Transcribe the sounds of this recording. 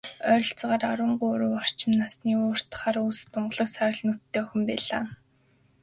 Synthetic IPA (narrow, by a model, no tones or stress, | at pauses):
œɾʲɞ̆ɬt͡sʁaːraɾwə̆ɴɢʊɾuːwɔr̥t͡ɕɪ̆mnasniːʊːr̥t̪χaːɾust̪ʊɴɢɮə̆ksaɾə̆ɮnut̪ːeːxɪ̆mpæːɮa̰ː